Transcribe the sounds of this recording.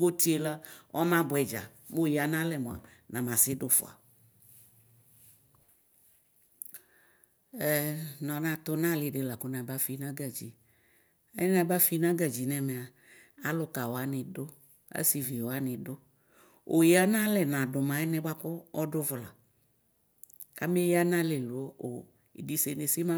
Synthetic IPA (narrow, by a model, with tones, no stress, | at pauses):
ɡo˦t̪i˦e˨la˦ɔ˦mã˦bʊ˨ɛ˨d͡ʒa̰˨ | mo˦˨ji˨a˨nã˦lɛ˨mõ˨a̰˨nã˨mã˨sɪ˦dʊ˦fʊ̰˨a̰˨ | ɛ˨˦nɔ̃˨nã˨t̪ʊ˦nã˦lɪ˨ɖɪ˨la˨kʊ˦nã˨ba˦fi˦nã˦ɡa˨d͡ʑḭ˨ | a˦ɪ˦nã˨ba˦fi˨˦nã˦ɡa˨d͡ʒi˨nɛ˨mɛ˨a˨ | a˦lʊ˨ka˨wo˨a˦nɪ̃˨dʊ˦ | a̰˦si˨vi˨wa˦nɪ̃˨dʊ˦ | o˨ji˦a˦nã˦lɛ˨nã˨dʊ˨mã˨˦ɛ˦nɛ̃˦ba˦kʊ˦ɔ˦dʊ˦vʊ˨la̰˨ | ka˦mɪ˦jɪ˦a˦nã˦lɛ˨lu˨o˦ʔo˨ | ḭ˨di˨se˨ne˨si˦mã˦